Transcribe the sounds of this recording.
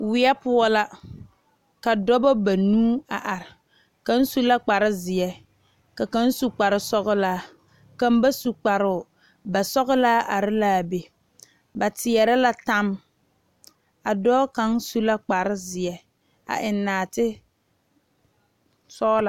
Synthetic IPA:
wɪ˦ɛ˦pʊ˦ɔ˦la˦ | ka˨dɔ˦bɔ˦ba˨nuː˦a˨ʔa˨ɾɪ˨ | ka˦n˦su˦la˦k͡pa˨ɾɪ˦zɪ˨jɛ˦ | ka˨ka˦n̩˦su˨k͡pa˨ɾɪ˨sɔ˦ɣʊ˦laː˦ | ka˦mba˦su˨k͡pa˨ɾʊ˨ | ba˨sɔ˦ɣʊ˦laː˦ʔa˨ɾɪ˦laː˦˨be˨ | ba˨tɪ˨ɛ˨ɾɛ˦la˦ta˦m | a˨dɔː˦ka˦ŋsu˦la˦k͡pa˨ɾɪ˦zɪ˨ɛ˦ | a̰˨ʔɪ˨nːaː˨tɪ˦ | sɔ˦la˨

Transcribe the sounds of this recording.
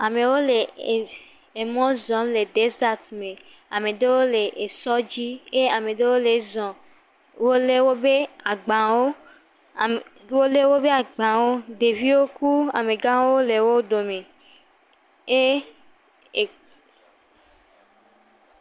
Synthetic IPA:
a˨me˨wo˦le˨ | e˨mɔ̃˦zɔ̃˦mle˨de˦za˦˨t̪me˨ | a˨me˨de˦wo˦le˨ʔe˨sɔ˦d͡ʒi˦e˦a˨me˨de˦wo˦le˨zɔ̃˨ | wo˦le˦wo˦be˦a˨ɡ͡bã˨wo˦˨ | wo˦le˦wo˦be˦a˨ɡ͡bã˨wo˦de˨vi˦wo˦ku˦a̰˨me˨ɡã˦wo˦wo˦le˨wo˦do˨me˨ | e˦˨

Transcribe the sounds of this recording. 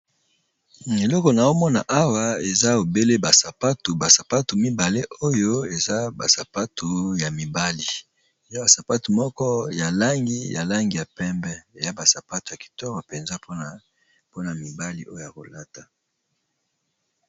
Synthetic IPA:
e˨lɔ˦kɔ˨na˨o˦mɔ˦na˨ʔa˦wa˦e˨za˦o˨be˦le˦ba˨sa˨pa˦tu˨ba˨sa˨pa˦tu˨mi˦ba˨le˦ʔo˦jo˦e˨za˦ba̰˨sa˨pa˦tʰu˨ja˨mi˨ba˦li˨ | e˨ja˦ba˨sa˨pa˦tu˨mɔ˦kɔ˦ja˨la˦ŋɡi˦ja̰˨la˦ŋɡi˨ja˨pɛ˦mbɛ˦e˨ja˦ba˨sa˨pa˦tu˨ja˨ki̥˨tɔ˦ka˨pɛ˨nza˦po˦˨ | po˦na˨mi˨ba˦li˦ʔo˦jo˨ja˨ko˨la˦ta˨

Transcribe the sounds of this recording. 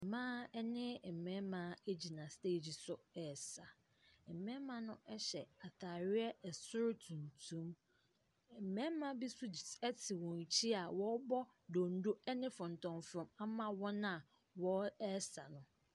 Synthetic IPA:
mãː˦ɛ˦nɪ̃˦˨m̩˨mɛ̃˦mã˨˦e˦d͡ʑi˨nã˨ste˦˨d͡ʑi˨sʊ˨ɛ˨sa˨ | ɛ˨mɛ̃˦mã˦nʊ̃˦ʔɛ˦ɕɛ˨a˨tʰa˨ɾɪ˦ɛ˦ɛ˨sʊ˦ɾtʰũ˨n˨tʰũ˦m˨ | m̩˨mɛ̃˦mã˦bi˦sʊ˦ɛ˦tʰɪ˨wɔ̃˨n˨t͡ɕʰi˦a˨wɔ˦bɔ˦ | do˨n̩˦do˦ɛ˦nɪ̃˦fʊ̃˨n̩˨tʰɔ̃˨nfɾɔ̃˨ma˦mã˦wɔ˦nã˦˨ | wɔ˦ɛ˦sa˨nʊ̃˨

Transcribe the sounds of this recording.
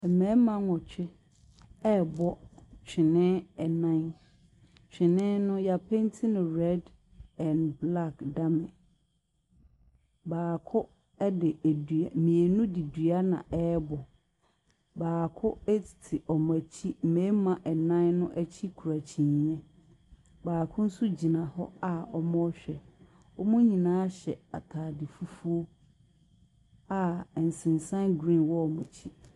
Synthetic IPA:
ɛ˨mɛ̃˨˦mã˦ŋɔ̃˨t͡ɕʰᶣɪ˦ | ɛ˦˨bɔ˦t͡ɕᶣʰɪ˨nɪ̃˦ɛ˨nã˦n | t͡ɕᶣʰɪ˨nɪ̃˦nʊ̃˦ja˨pʰɛ̃˦n˦tʰɪ˦nʊ̃˨ɾɛ˦d | ɛ̃˨nbla˦kda˦mɪ̃˨ | baː˨kʰʊ˦ | ɛ˦dɪ˨æ˨dɥa˨mĩ˨e˨nũ˦di˨dɥa˦nã̰˨ʔɛ˦bɔ˨ | baː˨kʰʊ˦ɛ˦tʰi̥˨tʰɪ˨ʔɔ˨m˨æ˨t͡ɕʰi˦m̩˨mẽ˨˦mã˨ʔɛ˨nã˦nnʊ̃˦ʔæ˦t͡ɕʰi˦kʰu˨ɾa˨t͡ɕʰĩ˨ɲ˨ɲɛ̃˦ | baː˨kʰʊ̃˦n̩˦su˦d͡ʑi˨nã˨hɔ˦a˦˨ɔ˦mɔ̃˦ɔ˦ɕᶣɛ˨ | ɔ˦mũ˦ɲĩ˨nãː˨˦ɕɛ˨a̰˨tʰaː˨dɪ˨fu˦fu˦o˦ | a˨n̩˨sɪ̃˨n˨sã˦nɡɾĩ˦˨wɔ˦ɔ˨mʊ̃˨t͡ɕʰi˦

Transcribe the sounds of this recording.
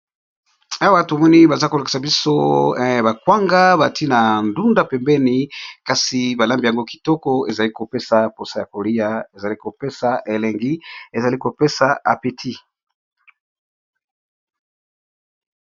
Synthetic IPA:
a˦wa˦to˨mɔ˦ni˦ba˨za˦ko˨la˨ki̥˨sa˨bi˦so˦˨ba˨kwa˦ŋɡa˦ba˨ti˦na˨ndu˦nda˦pɛ˨mbɛ˦ni˨ka˨si˨ba˨la˦mbi˨ja˨ŋɡo˦ki̥˨tɔ˦kɔ˦e˨za˨li˦ko˨pe˦sa˨po˨sa˦ja˨ko˨li˦ja˨e˨za˨li˦ko˨pe˦sa˨ʔe˨lɛ˨ŋɡi˦e˨za˨li˦ko˨pe˦sa˨a̰˨pe˨tʰi˦

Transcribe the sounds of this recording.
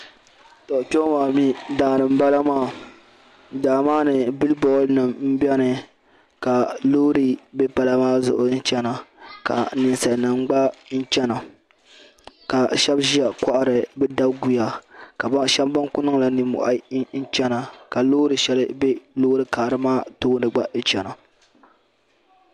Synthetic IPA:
tɔ˨ʔtɔ˦maː˨mi˦daː˨ɾɨ˨m̩˦ba˦la˦maː˦˨ | daː˨maː˦nɨ˨bɨ˦lbɔ˦lnɨ˨mm̩˦bɛ˦nɨ˨ | ka˨lo˦ɾi˦bɛ˦pa˨la˦maː˦zʊ̰˨ʔʊ˨n̩˦t͡ʃɛ˦na˨ka̰˨nɨ˨nsa˨lnɨ˨ŋ͡mɡ͡ba˦n̩˦t͡ʃɛ˦na˨ | ka˨ʃɛ˦bʒi˦a˨ka˦ʔa˦ɾɨ˨bɛ˦da˦bɡu˨ja˨ka˨bʃɛ˦bba˦ŋkʊ˦nɨ˦ŋla˨nɨ˨mʊ̰˨ʔa˨˦n˦n̩˦t͡ʃɛ˦na˨ka˨lo˦ɾɨ˨ʃɛ˦lɨ˦bɛ˦lo˦ɾɨ˦ka˨ɾɨ˦maː˦to˦ndɨ˨ɡ͡ba˦t͡ʃɛ˨na˨

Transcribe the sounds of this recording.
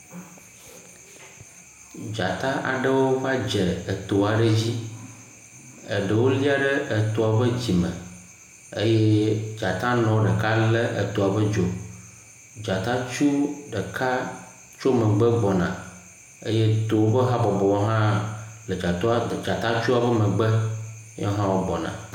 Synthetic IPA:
d͡ʒa˨t̪ã˦ʔa̰˨ɖə˦wo˦va˦d͡ʒɛ˨ə˨t̪o˨a˨ɖə˦d͡ʑi˦ | ə˨ɖə˨wo˦li˦a˨ɖə˦ʔə˨t̪o˨a˨bə˦d͡ʑi˨mə̃˨ | e˦je˦d͡ʒa˨t̪ã˦nɔ̃˨˦ɖə˨ka˦lə˦ʔə̰˨t̪o˨a˨bə˦d͡ʒo˨ | d͡ʒa˨t̪ã˦t͡ʃu˦ɖə˨kʰa˦ | t͡ʃo˦mə̃˨ɡ͡bə˦ɡ͡bɔ˨nã̰˨ | ḛ˦je˦t̪o˨wo˦bə˦ɦã˦bɔ˨bɔ˨wa˦ɦã˦lə˨d͡ʒa˨t̪o˦˨d͡ʒa˨t̪ã˦t͡ʃu˦a˨bə˦mə̃˨ɡ͡bə˦ɲɔ̰˦ɦã˦wo˦ɡ͡bɔ˨nã̰˨

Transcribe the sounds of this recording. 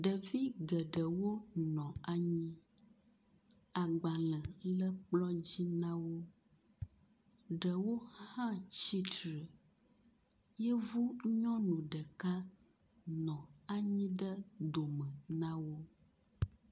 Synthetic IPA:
ɖə˨vi˦ɡə˨ɖə˨wo˦nɔ̃˨a˨ɲĩ˦ | a˨ɡ͡ba˨lə̃˨lə˦k͡plɔ̃˦d͡ʑi˦nã˦wo˦ | ɖə˨wo˦hã˦t͡ɕi˦tɾə˨ | jɛ˦vu˦ɲɔ̃˦nũ˨ɖə˨ka˦ | nɔ̃˨a˨ɲĩ˦ɖə˦d̪o˨mə˨nã˦wo˦

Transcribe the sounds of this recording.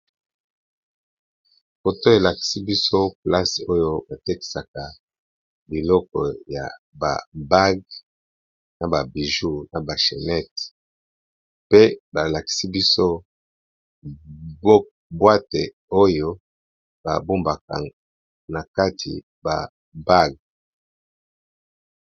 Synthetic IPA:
ko˨to˦e˨la˨ki̥˨si˦bi˦so˦pla˦so˦jo˦ba˨te˦ki̥˨sa˨ka˨ | bi˨lɔ˦kɔ̰˨ja̰˨ | ba̰˨ba˦ɡ | na˨ba˨bi˨ʒu˦na˨ba˨ʃe˨nɛ˦t | pe˦ba˨la˨ki̥˨si˦bi˦so˦ | b | bwa˦te˨ | o˦jo˦ | b̥a̰˨bu˦mba˨ka̰˨ | na˨ka˦tʰḭ˨ | ba̰˨ | ba˦˨ɡ̚

